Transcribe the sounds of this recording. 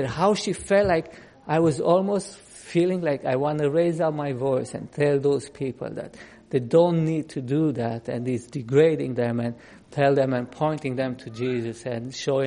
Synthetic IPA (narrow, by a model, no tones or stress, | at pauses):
ɨt̚haʊʃifɛltlaɪk | ʔaɪwʌzɔlˠmoʊst | filɪ̃ŋlaɪkaɪwɑ̃ntɨɹeɪzaʊt̚maɪvɔɪsɨ̰̃ntʰɛlˠðoʊz̥pʰipʰə̰l̩ˠðæ̰t̪̚ | ðeɪdõʊ̃nːid̚tʰɨdɨðætɨ̰̃nizdɨɡɹeɪɾɪ̃ŋðɛ̃mɨ̃n | tʰɛlˠðɛ̃mɨ̃npʰɔ̃ɪ̃ntɪ̃ŋðɛ̃mtʰɨd͡ʒizɨsɨ̃nʃoʊ̃